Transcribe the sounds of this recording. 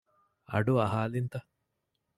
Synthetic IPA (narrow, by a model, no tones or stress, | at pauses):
ɐ̰ɖuɐɦaːlint̪ɐ